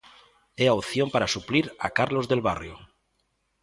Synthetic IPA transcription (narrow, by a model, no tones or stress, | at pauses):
eaoθjompaɾasupliɾa̰kaɾlozðelβarjo̰